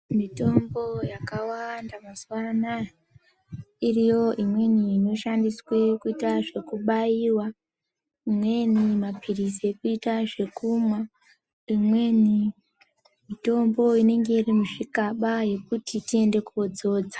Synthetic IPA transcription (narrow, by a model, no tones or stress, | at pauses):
mito̞mbo̞jakawandamaswana | irijo̞ʔimwe̞niːno̞ʃandiswekuitaʐe̞kuɓajiwa | imwe̞nimapʰiriseekuitaʐe̞kumwa | imweni | mito̞mbo̞ine̞ŋɡe̞irimuʐikaɓaje̞kutʰitie̞nde̞kuod͡zo̞ːd͡zḁ